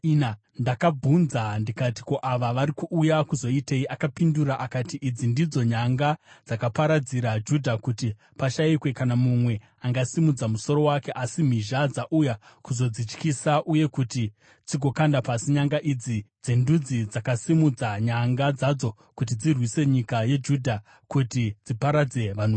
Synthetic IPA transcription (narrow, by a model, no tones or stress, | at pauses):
na | ndakab͡vʱunzandikati̥ko̞ʔaʋaʋaɾikuʔːjakuzo̞iteiʔakapinduɾaʔakatiʔid͡zindid͡zo̞ɲaŋɡad͡zakapaɾad͡ziɾad͡ʒudʱakuti | paʃaikwe̞kanamumwe̞ | aŋɡasimud͡zamuso̞ɾo̞wake̞ʔasim̤iʒad͡zaʔujakuzo̞d͡zit͡ʃkisaʔuje̞kuti | t͡siɡʱo̞kandapasiɲaŋɡaʔid͡zid͡zendud͡zid͡zakasimud͡zaɲaŋɡad͡zad͡zo̞ | kut̬id͡zirwise̞ɲikaje̞d͡ʒudʱa | kutid͡zipaɾad͡ze̞ʋano